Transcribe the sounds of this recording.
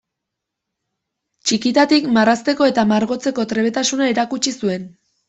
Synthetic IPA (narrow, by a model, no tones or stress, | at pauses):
t͡ʃikit̪at̪ikmarast̪e̞ko̞e̞t̪amaɾɣo̞t͡se̞ko̞t̪ɾe̞βe̞t̪asunaeɾakut͡ʃisue̞n